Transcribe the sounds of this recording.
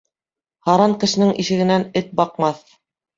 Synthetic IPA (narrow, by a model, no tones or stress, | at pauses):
hɑɾɑŋkɘ̆ʃɘ̆nɘŋʔiʃɘ̆ɡɘ̆nænɘt̪̚bɑqmɑθ